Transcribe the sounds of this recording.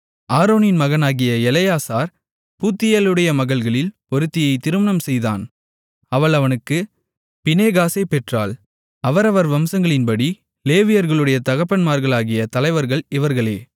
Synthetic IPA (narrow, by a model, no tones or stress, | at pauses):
ʔaːɾoːnɪnmɐɣɐnaːɣɪjɐɛlɐjaːsaːɾ | puːt̪ːɪjalɯɽɐjɐmɐɣɐɭɣɐɭɪlpɔɾɯt̪ːɪjɐɪt̪ɪɾɯmɐnɐmsɛjða̰ːn | ɐʋɐɭɐʋɐnɯkːɯ | pɪneːɣaːsepɛʈra̰ːl | ɐʋɐɾɐʋɐɾʋɐmsɐŋɡɐɭɪnpɐɽi | leːʋɪjɐɾɣɐɭɯɽɐjɐt̪ɐɣɐpːɐnmaːɾɣɐɭaːɣɪjɐt̪ɐlɐɪʋɐɾɣɐɭɪʋɐɾɣɐɭeː